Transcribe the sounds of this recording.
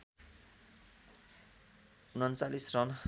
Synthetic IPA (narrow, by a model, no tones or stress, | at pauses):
unʌnt͡salisrʌn